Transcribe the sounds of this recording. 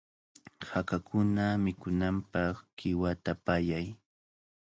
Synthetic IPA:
hakakʊnamɪkʊnampɑχkɪwat̪apajaj

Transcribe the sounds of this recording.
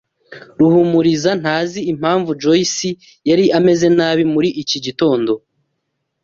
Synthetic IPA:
ɾuhumuɾizan̥haːziim̥haːɱvud͡ʒoisi | jaɾiʔame̞ze̞naːβimuɾiʔiciɟito̞ːndo̞

